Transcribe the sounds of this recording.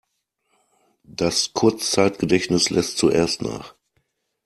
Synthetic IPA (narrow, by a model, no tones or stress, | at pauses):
d̥askʰʊɐt͡st͡saɪtɡ̥ədɛçnɪslɛstt͡suʔḛːɐstna̰ːχ